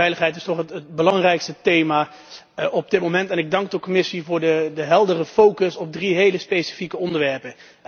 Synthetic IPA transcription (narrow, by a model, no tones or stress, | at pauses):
ɛjləχɦɛjt̬ɪstɔχətət̚bəlɑŋrɛjkstətejmaː | ɔb̚dɪt̚mowmɛntɛnɪɡ̚dɑŋɡ̚dəkɔmɪsivʊːɹdədəɦɛlˠdərəfowkəsɔb̚driɦejləspejsə̥fikəɔndəɹʋɛɹpə